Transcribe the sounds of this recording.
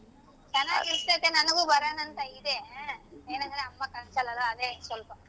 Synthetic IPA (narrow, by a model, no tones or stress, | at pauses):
t͡ʃɐnːaːɡit̪et̪enɐnɐɡubɐɾɐːnɐnt̪ɐid̪e | eːnɐnd̪ɐɾeɐmːɐkɐnt͡ʃɐlɐlɐːd̪esʋɐlpɐ